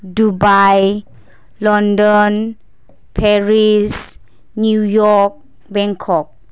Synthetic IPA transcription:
dubaj | lɔ̃ndɔ̃n | pʰɛɹis | nujɔk̚ | bɛ̃ŋkʰɔk̚

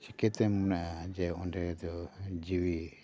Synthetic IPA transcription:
t͡ʃikɛt̪ɛmɔnaʔad͡ʒɛɔnɖɛd̪ɔd͡ʒiwi

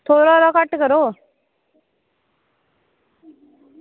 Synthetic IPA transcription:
t̪ʰoɾɔɾʌkʌʈɡʌɾo

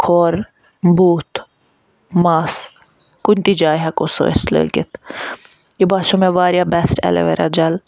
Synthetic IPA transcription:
kʰoːɾ | buːt̪ | maːs | kunʲt̪id͡ʒaːjɦɐkoso̰ḛslə̰ːɡit̪ | jibaːʃomeʋaːɾjabɛsʈɛ̰lḛʋḛɾʔɐ̰d͡ʒɐl

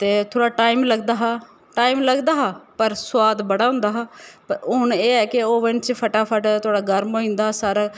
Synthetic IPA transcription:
t̪eːt̪ʰoːɽaːʈaːimləɡd̪aːɦaː | ʈaːimləɡd̪aːɦaːpəɾswaːd̪bəɽaːʊ̃nd̪aːɦaːpəɾʊʊneːɛːkɪoːʋənt͡ʃpʰəʈaːpʰəʈt̪ʰʊaːɽaːɡəɾmoːĩːnd̪aːsaːɾaː

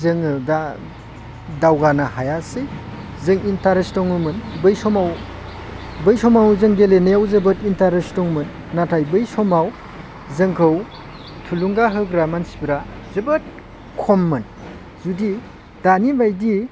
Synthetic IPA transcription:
zɯŋɯda | dawɡanahajasɯj | zɯŋintaɾestɔŋɯmɯnbɯjsɔmaw | bɯjsɔmawzɯŋɡelenajawzɯbɯtintaɾestɔŋmɯnːatʰajbɯjsɔmaw | zɯŋkʰɯw | tʰuluŋɡaɦɯɡɾamansi̥biɾazɯbɯt̚ | kʰɔmːɯn | zudi | d̥anibajdi

